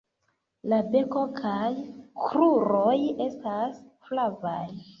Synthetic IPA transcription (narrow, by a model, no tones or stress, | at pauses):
labe̞ko̞kʰajkɾuɾoje̞stasflavaj